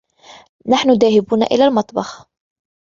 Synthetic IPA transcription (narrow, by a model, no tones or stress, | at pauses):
naħnʊðaːhɪbuːna̰ʔɪ̰laːlmɑt̪ˤbɑx